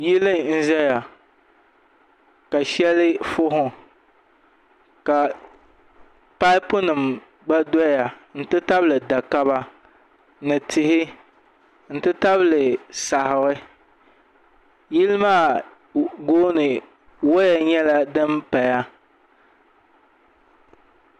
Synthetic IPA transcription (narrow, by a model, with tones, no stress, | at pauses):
jɪ˦lɨ˦n̩˦ʒɛ˦ja˨ | ka˨ʃɛ˦lɪ˦fʊ˦ɦʊ˨ | ka˨ | pa˦ɪ˦pʊ˦nɨ˨m | ɡ͡ba˦dɔ˦ja˨n̩˦tɨ˦ta˦blɨ˨da˨ka˦βa˦ | nɨ˨tʰɪ˨hɪ˦ | n̩˦tɨ˦ta˦blɨ˨sa˨hɪ˨ɣɪ˦ | ji˦lɪ˦maː˦˨ | ɡoː˦nɨ˨ | wo˦ja˦ɲɛ˦la˦dɨ˦mpa˨ja˦